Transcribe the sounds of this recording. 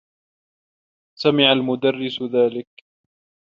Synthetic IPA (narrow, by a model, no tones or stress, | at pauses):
samɪʕalmʊd̪arːɪsðaːlɪk